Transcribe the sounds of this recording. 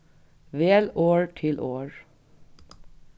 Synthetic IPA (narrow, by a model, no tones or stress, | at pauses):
ʋeːloːɹʈʰɪlʔoːɹ